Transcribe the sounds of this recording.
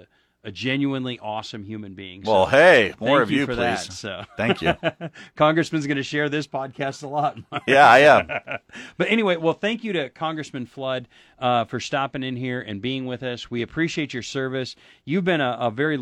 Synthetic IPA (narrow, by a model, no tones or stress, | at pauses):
ɨd͡ʒɛ̃njʉə̃nliʔɔsɨ̃mjʉmɨ̃nbiɪ̰̃ŋwɛlˠheɪmɔɹʌvjʉfə˞ðiæztsoʊθæ̃ŋkʰjʉkʰɑ̃ŋɡɹɨsmɨ̃nzɡʌnɨʃɛɹðɪspʰɑd̚kʰæstəlɔt̚mjæaɪæ̃mb̥ʌɾɛñiweɪwɛlˠθæ̃ŋkjɨɾɨkʰɑ̃ŋɡɹɨsmɨ̃nflʌd̚ | ʌfə˞stɑpɪ̃ŋɨ̃nɦiɹɨ̰̃nbiɪ̃ŋwɪðʌswiɨpʰɹ̥iʃieɪt͡ʃə˞sɜ˞vɨsjʉvbɨ̃ñəəvɛɹi